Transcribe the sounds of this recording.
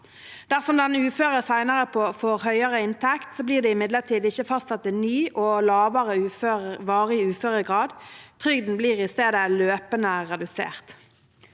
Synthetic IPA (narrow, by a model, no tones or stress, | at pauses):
d̪̥æʁsɔmd̪ɛnʉːføːʁəsæɪnəʁəpʰɔfɔʁhœʏəʁəɪnt̪ʰɛkt̪soːbliːd̪ɛːɪmɪd̪ləʁt̪ʰiːd̪ɪçəfɑst̪sɛt̪ːɪnyːʔoːlɑːʋəʁəʉːføːʋɑːʁəɪʉːføːʁəɡʁɑːd̪t̪ʰʁʏɡd̪n̩bliːʁɪst̪eːd̪əløːpənəʁɛd̪ʉsḛːʁt̪